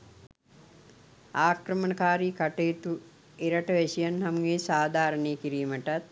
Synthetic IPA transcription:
aːkrəmənəkaːɾikaʈeːt̪u | eɾɐʈəʋesijanhamɡeːsaːd̪ʱaːɾəneːkiɾiːməʈat̪̚

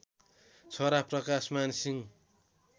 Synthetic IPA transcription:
t͡sʰʌɾaprʌkasmansiŋ

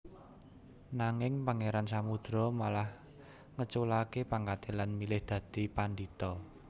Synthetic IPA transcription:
naŋɪŋpaŋeɾansamud̪̥ɾɔmalah | ŋət͡ʃulakepaŋkat̪elanmilɪhd̪̥ä̤d̪̥i̤panɖit̪ɔ

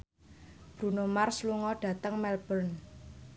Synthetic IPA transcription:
b̥ɾunomarsluŋɔɖ̥ä̤t̪əŋmɛlb̥ən

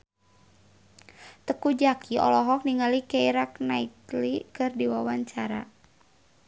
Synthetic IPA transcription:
t̪əkud͡ʒakʰiɔ̰lɔɦɔk̚niŋalikɛiɾaknait̪likɨrdiwawaɲt͡ʃaɾa̰

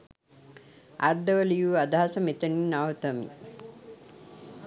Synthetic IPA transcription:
a̰ɾd̪əʋəlijuːad̪aɦasəmet̪ɐniːnaʋət̪ɐmḭ

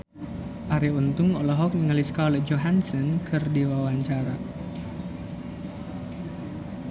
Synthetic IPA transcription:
ʔaɾiunt̪ʊŋɔlɔɦɔk̚niŋaliskaolɛhd͡ʒoɦansɔnkʰɨrdiwawaɲt͡ʃaɾa

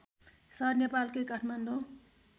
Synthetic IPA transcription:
sʌrnepalkokaʈʰmand̪o

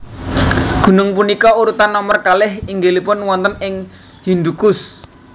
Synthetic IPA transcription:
ɡ̥ṳnʊŋpunikɔuɾut̪anːɔmərkalɪhiŋɡelipʊnwɔnt̪ənɪŋ | hind̪ukʊs

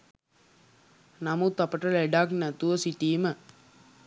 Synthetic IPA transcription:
namut̪apəʈəleɖaknæt̪uʋəsiʈiːmə

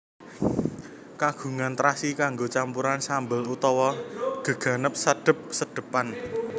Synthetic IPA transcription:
kaɡ̥ṳŋant̪ɾasikaŋɡot͡ʃampuɾansambəlut̪ɔwɔɡ̥ə̤ɡ̥a̤nəp̚səɖ̥ə̤p̚səd̥ə̤pan

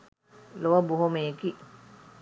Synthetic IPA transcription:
loʋɐbuɦomeki

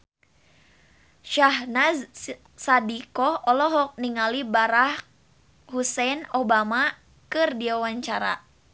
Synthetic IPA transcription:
ʃahnaz | sadikɔɔlɔɦɔk̚niŋalibaɾah | husɛnobama | kɨrdiawaɲt͡ʃaɾa̰

